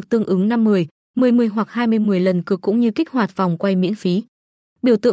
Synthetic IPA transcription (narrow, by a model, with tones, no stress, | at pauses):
k̚t̪ɨ˧əŋʔɨ˨˦ŋna˧mːɨ˨˩əj | mɨ˨˩əjmɨ˨˩əjɦwa˨˩k̚haː˧jmɨ˧əjmɨ˨˩əjlə˨˩nkɨ˨˩əkːʊ̰˧˥ŋ͡mɲɨ˧ki˦˥k̟̚hwaː˨˩t̚va˨˩wŋ͡mkwa˧jmḭ˧˥ənfi˨˦ | ɓi˧˩əwt̪ɨ̰˧